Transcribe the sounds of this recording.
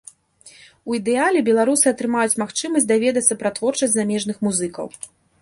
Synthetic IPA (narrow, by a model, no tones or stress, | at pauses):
uid̪ɛalʲɛbʲɛlˠaɾusɨɐt̪ɾɨmajut͡sʲmaxt͡ʂɨmɐsʲd̪avʲɛd̪ɐt̪sːɐpɾɐt̪vɔrt͡ʂɐsʲzamʲɛʐnɨxmuzɨkɐ̰w